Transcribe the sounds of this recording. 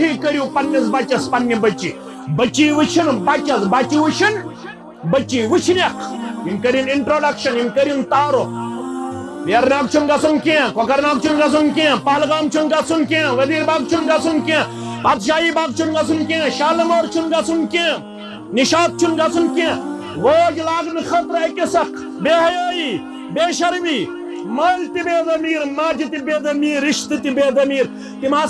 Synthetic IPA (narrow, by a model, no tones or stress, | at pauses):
ikəɾjũpɐnːɐsbat͡ʃɐspɐnːibɐt͡ʃi | bɐt͡ʃiːʋɨt͡ʃʰinbat͡ʃɐsbat͡ʃiʋut͡ʃʰin | bɐt͡ʃiːʋɨt͡ʃʰinjɐkʰjinkɐɾiniɳʈɾoːɖɐkʃɐninkəɾint̪aːɾoː | pjɐɾnaːkt͡ʃʰunɡɐt͡sunkẽkɔkɐɾnaːk̚t͡ʃʰunɡɐt͡sunkẽpaːlɡaːmt͡ʃʰunɡɐt͡sʰunkẽʋɐd̪iːɾbaːɡ̚t͡ʃʰunɡat͡sʰunkẽ | baːd̪ʃaːɦiːbaːɡ̪̚t͡ʃʰunɡɐt͡sunkẽːʃaːlɐmoːɾt͡ʃʰunɡɐt͡sʰunkẽː | niʃaːt̪̚t͡ʃʰunɡɐt͡sʰunkẽː | ʋoːd͡ʒlaːɡnɨxɐt̪ɾɐkesɐk | beːɦɐjoːjiː | beːʃɐɾʋiː | mɐlt̪ibeːd̪ɐmiːɾmaːd͡ʒit̪ibeːd̪ɐmiːɾiʃt̪it̪ibeːd̪ɐmiːɾ | t̪imaː